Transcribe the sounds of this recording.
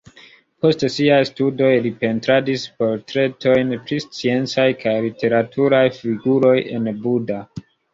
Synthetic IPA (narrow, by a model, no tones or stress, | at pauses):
po̞stsiajstudo̞jlipe̞ntɾadispo̞ɾtɾe̞tʰo̞jnpɾist͡sie̞nt͡sajkʰajlitʰe̞ɾatʰuɾajfiɡuɾo̞je̞̰nbuda